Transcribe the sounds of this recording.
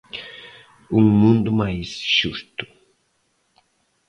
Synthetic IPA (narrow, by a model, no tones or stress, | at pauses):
ũŋmũnd̪ʊmajsʃust̪ʊ̥